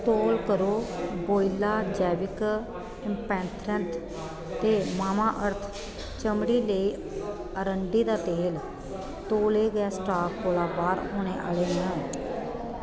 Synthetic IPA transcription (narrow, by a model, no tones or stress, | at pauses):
t̪oːlkəɾoːboːilaːd͡ʒɛːʋɪk | ɪmpɛ̃ːnt̪ʰɾənt̪ | t̪eːmaːmaːʔəɾt̪ʰ | t͡ʃəmɽiːləiː | əɾəɳɖiːd̪aːt̪eːl | t̪oːleːɡəjaːsʈaːk̚koːlaːbaːɾɦoːɽ̃eːʔa̰ːleːnə